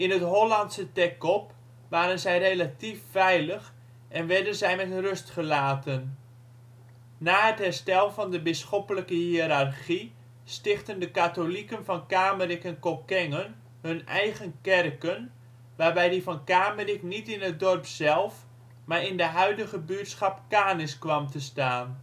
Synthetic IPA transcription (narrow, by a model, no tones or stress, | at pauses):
ɪnɦətɦolɑntsətɛkɔp | ʋaːɾənzɛjrejlatifːɛjləx | ɛnʋɛdənzɛjmɛtrɵstχəlaːtən | aːətɦɛrstɛlˠvɑndəbɪsχɔpələkəhiəɾarχi | stɪχtəndəkatolikənfɑnkaːmərikɛnkokɛŋən | hɵnʔɛjɣənkɛrkən | ʋaːrbɛjdifɑnkaːməriknitɪnət̚dɔrpsɛlˠf | maːɾɪndəɦœɥdəɣəbyətsχɑpkaːnɪskʋɑmtəstaːn